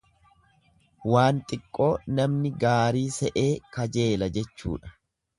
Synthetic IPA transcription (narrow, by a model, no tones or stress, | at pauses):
waːnt̪ʼɪkʼːo̞ːnɐmnɪɡaːɾiːsɛʔe̞ːkɐd͡ʒe̞ːlɐd͡ʒɛt͡ʃːṵːᶑɐ̥